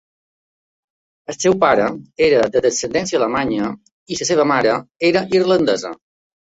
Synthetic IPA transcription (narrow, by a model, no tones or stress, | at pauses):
əlsɛwpaɾəeɾəd̪əðəsənd̪ɛnsiəaləmaɲə | isəseβ̞əmaɾəeɾəʔirlənd̪əzə̰